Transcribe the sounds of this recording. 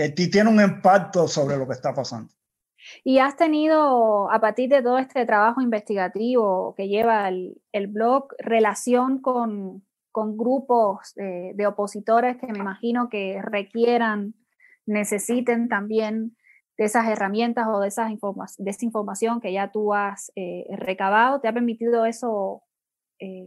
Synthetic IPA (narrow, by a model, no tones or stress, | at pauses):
et̪it̪jeneuŋẽmpaɾ̚t̪osoβɾelo̞kest̪apasa̰nd̪o̥ | iast̪e̞nið̞o̞apaɾt̪iɾðe̞t̪̬o̞ðoe̞st̪e̞t̪ɾaβaxoimbe̞st̪iɣat̪iβo̞ke̞ʝe̞βael | elβlo̞kre̞lasjo̞ŋko̞ŋ | ko̞ŋɡɾupo̞seðe̞o̞po̞sit̪o̞ɾe̞skeme̞imaxino̞ke̞re̞kje̞ɾanː | e̞se̞sit̪e̞nt̪ambje̞n | d̪eesase̞ramjẽ̞nt̪aso̞ðesasiɱfoɾmasd̪esaiɱfo̞ɾmasjo̞ŋke̞ʝat̪uasere̞kaβ̞að̞o̞t̪e̞ape̞ɾmit̪iðo̞e̞so̞ | e